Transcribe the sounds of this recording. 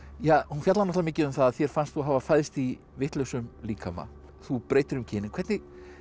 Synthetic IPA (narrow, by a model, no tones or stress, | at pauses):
jaːhunfjat̪lanɔhtlamɪːcɪðʏmθaðaðθjɛɾ̥fanst̪θuɦavafajðɪst̪i | vɪht̪lœwsʏmliːkʰama̰ | θupɾeːjt̪ɪɾʏmcʰɪːnɪnkʰvɛɾt̪nɪɣ